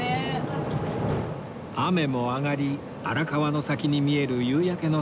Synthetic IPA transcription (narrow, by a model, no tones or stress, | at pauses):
ame̞mo̞aɡaɾʲi | aɾakaβano̞sakʲiɲ̟imʲie̞ɾɯ̟jɯːjake̞no̞